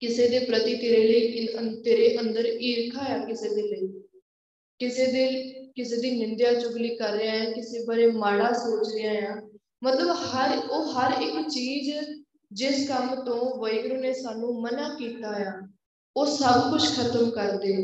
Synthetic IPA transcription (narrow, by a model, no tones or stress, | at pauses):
kɪseːd̪eːpɾət̪iːt̪eːɾeːləiːət̪eːɾeːʔənd̪əɾiːɾkʰaːjaːkɪseːd̪eːləi | kɪseːd̪eːkɪseːd̪iːnɪnd̪jaːt͡ʃʊɡliːkəɾːɪãːjaːkɪseːbəɾeːmaːɽaːsoːt͡ʃɾɪãːjaː | mət̪ləbhəɾoːɦəɾɪkt͡ʃiːz | d͡ʒɪskəmt̪õːʋəɪɡɾuːneːsaːnũːmənaːkiːt̪aːjaː | oːsəbkʊt͡ʃʰkʰət̪əmkəɾd̪eː